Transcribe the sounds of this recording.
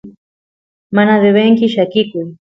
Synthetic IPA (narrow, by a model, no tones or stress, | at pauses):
manaðeβeŋkiʃakiki